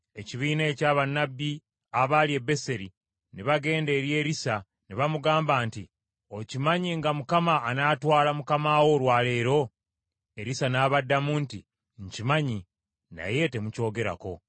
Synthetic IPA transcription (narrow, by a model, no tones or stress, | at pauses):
e̞ciβiːneːcaːβanːabːi | aβalie̞be̞se̞ɾi | niβaɡe̞ːnde̞ːɾje̞ːɾisa | niβamuɡaːmbaːnti | o̞cimaɲiŋɡamukamaːnaːtwaːlamukamaːwo̞ɾwaːle̞ːɾo̞ | e̞ɾisanaːβadːamuːnti | ɲcimaɲi | na̰je̞te̞muco̞ːɡe̞ɾa̰ko̞̰